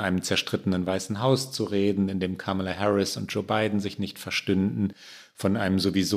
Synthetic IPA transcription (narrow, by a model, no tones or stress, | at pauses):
ʔaɪnəmt͡sɛɐʃtʁ̥ɪtənənvaɪsn̩ɦaʊst͡suʁeːdn̩ɪndeːmkʰaməlaɦɛʁɪsʊnt̚d̥ʒ̥oːbaɪdn̩zɪçnɪçtfɛɐʃtʏndn̩ | fɔnʔaɪnəmzoviz